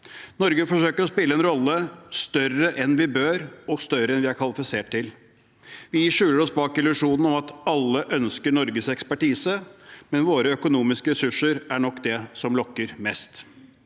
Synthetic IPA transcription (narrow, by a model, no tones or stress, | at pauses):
nɔɾɡəfɔʂøːkəɾɔspɪlːəɛnɾɔlːəst̪œɾəʔɛnʋɪbøːɾɔst̪œɾɾəɛnʋɪæɾkʰʋɑlɪfɪseːʈ̚t̪ɪl | ʋɪʂʉːləɾɔsbɑːkɪlʉʂuːnn̩ɔmɑt̪ɑlːəʔœnskəɳɔɾɡəsɛkspæʈiːsəmɛnʋoːɾəœkʊnuːmɪskəɾɛsʉʂəɾæɳɔkːd̪ɛsɔmlɔkːəɾmɛst̪